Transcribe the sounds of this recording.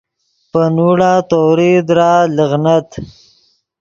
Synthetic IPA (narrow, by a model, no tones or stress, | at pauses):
pənuɽat̪oɾid̪ɾaləɣnat̪